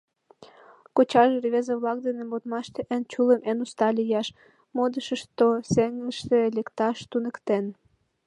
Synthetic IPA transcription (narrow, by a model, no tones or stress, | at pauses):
kot͡ɕɑʒeriβezeβlɑk̚d̪enembot̪mɑʃt̪eʔənt͡ɕuləmenust̪ɑlʲijɑʃ | mod̪əʃəʃt̪oseŋəʃt̪ĕlekt̪ɑʃt̪unə̆kt̪en